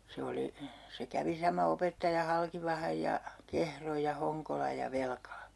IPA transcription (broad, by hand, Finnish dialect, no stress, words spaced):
se oli se kæʋi sɑmɑ opetːɑjɑ hɑlkiʋɑhɑj jɑ kehroj jɑ hoŋkolɑj jɑ ʋelkɑlɑ